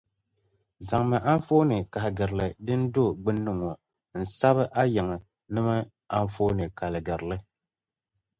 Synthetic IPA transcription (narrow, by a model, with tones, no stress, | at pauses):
za˨ŋmɨ˨ʔa˦n˦foː˦nɨ˨ka˨hɪ˨ɡɨ˨ɾɨ˨lɨ˨dɨ˦n˦do˦˨ɡ͡bɨ˦nːɨ˦ŋɔ˨ | n̩˨sa˦βɨ˦ʔa˦jɛ˨ŋɨ˨ | nɨ˦mɨ˦ | a˦ɱ˦fo˦nɨ˨ka˨lɨ˨ɡɨ˨ɾlɨ˦